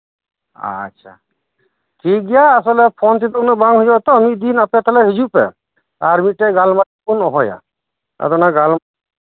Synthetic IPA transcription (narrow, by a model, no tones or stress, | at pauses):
a̰ːʃʰa̰ | kiɡijaːs̬ɔlɛpʰɔnt̪it̪ɔnɔbaŋɦud͡ʒabɔt̪ɔːmid̪inapɛt̪ʰɔlɛɦed͡ʒupɛ̰ | aɾmiʈɛɡalmaʈkunɔɦɔja̰ | ɛ̰d̪ɔnaɡal